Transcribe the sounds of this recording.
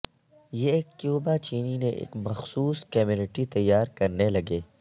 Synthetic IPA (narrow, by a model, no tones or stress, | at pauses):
jeːkːjuːbat͡ʃiːnineʔḛːkmɐxsuːskɐmjʊnɪʈit̪ɐjːaːɾkɐɾnelɐɡeː